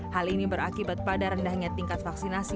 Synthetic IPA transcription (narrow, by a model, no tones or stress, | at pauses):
halinibəɾakibat̪̚padaɾəndahɲat̪iŋkat̪̚faksinasi